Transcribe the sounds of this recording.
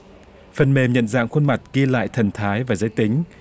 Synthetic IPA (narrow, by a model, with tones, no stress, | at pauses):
fə˨˩nme˨˩mɲə̰˧˨nza̰ː˧˨ŋxwə˧nma˨˩t̚ki˧əla̰ː˧˨jt̪ʰə˨˩nt̪ʰaː˨˦jvaː˨˩zə˨˦jt̪ï˨˦ŋ̟